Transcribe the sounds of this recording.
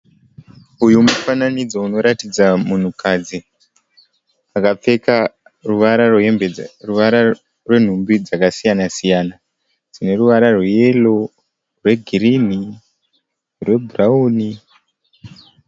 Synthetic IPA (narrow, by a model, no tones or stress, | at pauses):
ujumufananid͡zo̞uno̞ɾatid͡zamun̤ukʰad͡zi | akap͡fe̞ka | ruʋaɾarweemeruʋaɾa | rwe̞n̤umbid͡zakasijanasijana | d͡zine̞ruʋaɾarweje̞lo̞ | rwe̞ɡʱirin̤i | rwe̞bʱurauːni